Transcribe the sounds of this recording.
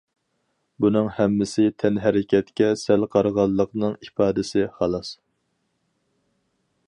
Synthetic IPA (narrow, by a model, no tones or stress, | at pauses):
bunɨŋhɛmːɪsɪt̪ʰɛnɦɛɾɪkʲʰɛt̪kʲɛsælqʰɑɾʁɑlˠːəqnɨŋipɑːd̪ɪsɪχɑlˠɑs